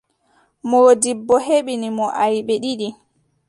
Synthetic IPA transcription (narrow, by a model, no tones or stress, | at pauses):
modibːɔheɓinimɔʔajɓɛɗiɗi